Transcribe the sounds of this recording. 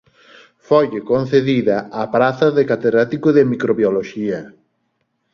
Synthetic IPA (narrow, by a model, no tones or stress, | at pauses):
foʎɪkon̟θeðiðɐapɾaθɐðekat̪eðɾat̪ikʊðɪmikɾoβjoloʃiɐ